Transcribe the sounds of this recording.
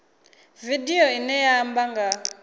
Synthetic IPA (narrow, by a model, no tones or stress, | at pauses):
vidiɔinɛjaːmbaŋɡa